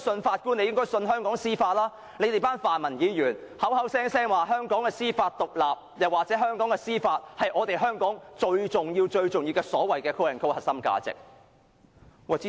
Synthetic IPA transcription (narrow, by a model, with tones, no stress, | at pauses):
sɵ˧nfaː˧t̚kuː˥ne˨˧jɪ˥ŋkɔː˥jsɵ˧nɦœː˥ŋkɔː˨˥ŋsiː˥faː˧t̚laː˥ | ne˨˧jt̪e˨jpaː˥nfaː˨nmɐ˨˩njiː˨˧˥jyː˨˩nhɐ˨˥whɐ˨˥wsɛː˥ŋsɛː˥ŋwaː˨˩ɦœː˥ŋkɔː˨˥ŋkɛː˧siː˥faː˧t̚t̪ʊ˨k̚laː˨p̚jɐ˨˩waː˨k̚t͡sɛː˨˥ɦœː˥ŋkɔː˨˥ŋɛː˧siː˥faː˧t̚hɐ˨jʔɔː˨˧t̪e˨jɦœː˥ŋkɔː˨˥ŋt͡ʃɵ˧ɥt͡sʊ˨ŋjiː˧wt͡ʃɵ˧ɥt͡sʊ˨ŋjiː˧wkɛː˧sɔ̰ː˨˥wɐ˨˩jkɛː˧kʰo˥wɐ˨˩nkʰo˥whɐ˨t̚sɐ˥mka̰ː˧t͡sɪ̰˨k̚ | wɐ˨˩i˥